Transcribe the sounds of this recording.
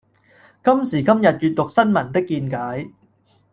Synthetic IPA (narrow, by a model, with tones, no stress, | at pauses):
kɐ˥msiː˨˩kɐ˥mjɐ˨t̚t͡ʃyː˨t̪̚ːʊ˨k̚sɐ˥nmɐ˨˩nt̪ɪ˥kːiː˧nkaː˨˥j